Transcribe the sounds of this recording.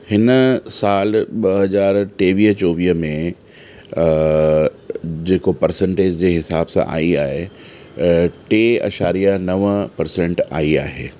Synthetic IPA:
hɪnəsaːlɓɐɦɐzaːɾʈeːʋiːɦt͡ɕoːʋiːɦmẽ | d͡ʑeːkopɐɾsẽɳʈeːd͡ʑd͡ʑeːɦɪsaːbsã̰ʔa̰ːiaːɦe | ʈeːɐ̰ʃaːɾijanɐʋəpɐɾsẽɳʈa̰ːiaːɦeː

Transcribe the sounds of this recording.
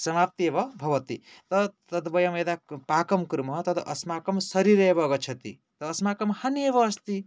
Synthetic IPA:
sɐmap̚t̪iebʌbʱɐʋɐt̪ḭt̪ʌt̪ɐd̪bɐjamed̪apaːkɐmkɾmɦʌt̪ɐt̪ʌʔɐsmakɐmsɐɾiɾebʌɡʌt͡ʃʰɐt̪ḭ | t̪ɐːsmakɐmhɐniebʌːst̪i

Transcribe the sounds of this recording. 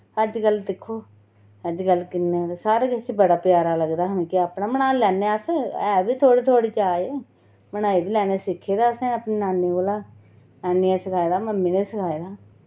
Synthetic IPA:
əd͡ʒɡəld̪ɪkʰːoː | əd͡ʒɡəlːkɪnːeːsaːɾeɡɪst͡ʃbəɽaːpɪjaːɾaːləɡd̪aːɦəmẽːkɪaːpnaːmənãːlɛːneasɛːbiːt̪ʰoːɽiːt̪ʰoːɽiːt͡ʃaːjeː | mənaːiːbiːlɛːneːsɪkʰːeːd̪aːəsɛ̃ːəpneːnaːneːoːlaː | naːniːẽːsəkʰaːed̪aːməmːiːneːsəkʰaːeːd̪aː

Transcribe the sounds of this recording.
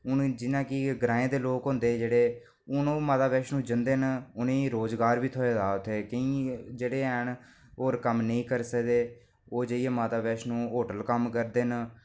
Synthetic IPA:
ʊnd͡ʒɪnãːkɪɡɾaːẽːd̪eːloːkɦʊ̃nd̪eːd͡ʒeːɽeː | ʊnõːmaːt̪aːʋɛːʃnũːd͡ʒənd̪eːnʊnẽːɾoːzɡaːɾʋiːt̪ʰoːeːd̪aːʊt̪ʰːeːkəĩːd͡ʒeːɽeːɛɳ | oːɾkəmnəĩːkəɾsəkd̪eː | oːd͡ʒəiːeːmaːt̪aːʋeːʃnũːɦoːʈəlkəmkəɾd̪eːn

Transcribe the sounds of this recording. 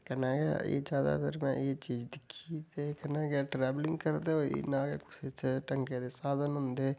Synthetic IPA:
kənaːkɛ̰ḛːd͡ʒjaːd̪a̰t̪əɾmɛ̰̃ːeːt͡ʃiːd͡ʒd̪ɪkʰːit̪eːkənaːɡeʈɾɛːʋlɪ̃ŋɡkəɾd̪eoːḭnãːkḛkʊ̥siteʈəŋked̪eːsaːd̪ənɦʊ̃nd̪eː

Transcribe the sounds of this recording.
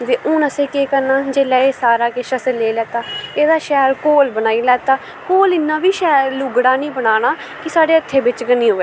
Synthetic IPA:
d̪eːʔʊːnəsẽːkeːkəɾnaːd͡ʒeːlaːeːsaːɾaːkeːʃəsəleːlɛːt̪aːeːd̪aːʃɛːɾkoːlbənaːiːlɛːt̪aː | koːlɪnːãːbiːʃɛːɾlʊɡɽaːnĩːbənaːɽ̃aː | kɪsaːɖeːət̪ʰːeːbɪt͡ʃɡəniːɦoːʋeː

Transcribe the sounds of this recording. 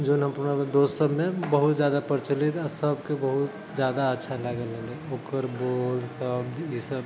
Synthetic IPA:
d͡ʒonɦəmpunamed̪ossəbmebəɦut̪d͡ʒjad̪apəɾt͡ʃəlit̪asəbkebəɦut̪ | d͡ʒjad̪aətːʃʰalaɡəlẽeokəɾbolsəb̪isəb

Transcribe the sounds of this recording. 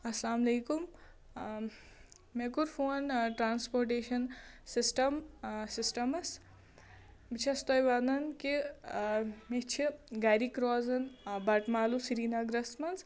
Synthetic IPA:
ɐslaːmɐleːkum | mekuɾpʰuɐnʈɾaːnspoːɾʈeːʃɐnsisʈɐmsisʈɐmɐs | bit͡ʃʰɐst̪ɔjʋaːnɐnki | mit͡ʃʰiɡaɾikɾɔːzɐnbɐʈmaːlusiɾiːnaɡɾɐsmɐns

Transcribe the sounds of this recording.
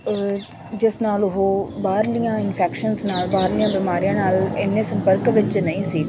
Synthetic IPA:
d͡ʒɪsnaːlʊɦobaːɾlijãːɪnfʰɛːkʃənsnaːlbaːɾlijãːbɪːmaːɾijãːnaːlɪnːesə̃mpəɾkʋɪt͡ʃnəĩːsiː

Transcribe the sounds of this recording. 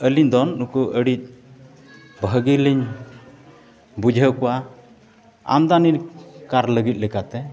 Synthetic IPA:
əliɲd̪ɔnːukuʔəɽit̪̚ˀ | bʱəɡiliɲ | bud͡ʒʱəkɔwa | a̰md̪aniɾkaɾləɡit̪̚ˀlikat̪ɛ

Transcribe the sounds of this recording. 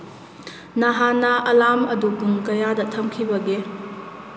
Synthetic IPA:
nɐɦanːɐʔɐlamɐdubuŋkɐjadɐtʰɐmkʰibɐɡe

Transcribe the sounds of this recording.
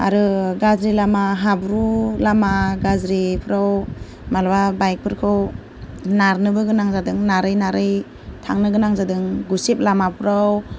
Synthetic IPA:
a̰ɾɯɡazɾilamaɦabɾulamaɡazɾipʰɾaw | malwabajk̚pʰɯɾkʰɯw | naɾnɯbɯɡɯnaŋzadɯŋnaɾɯjnaɾɯj | tʰaŋnɯɡɯnaŋzadɯŋɡusep̚lamapʰɾaw

